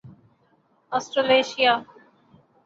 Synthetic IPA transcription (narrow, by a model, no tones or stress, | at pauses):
ɔːsʈɾeleːʃijaː